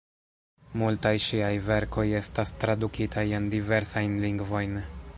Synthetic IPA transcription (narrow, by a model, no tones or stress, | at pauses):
multajʃiajve̞ɾko̞je̞stastɾadukitʰaje̞ndive̞ɾsajnliŋɡvo̞jn